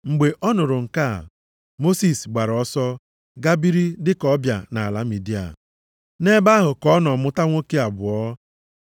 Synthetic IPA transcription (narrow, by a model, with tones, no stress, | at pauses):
ŋ͡m̩˨ɡ͡be˨ʔɔ˦nʊ˨ɾʊ˨ŋ̩˨ka˦˨ | mo˦si˨sɡ͡ba˨ɾɔ˦sɔ˦ | ɡa˦bi˦ɾi˦dɪ˦kɔ˦bja̰˨na˨la˨˦mi˨di˦a̰˨ | ne˦ba˦ɦʊ˨kɔ˦nɔ˨mʊ˦ta˦ŋʷo˦ke˦a˨bʊ˨ɔ˦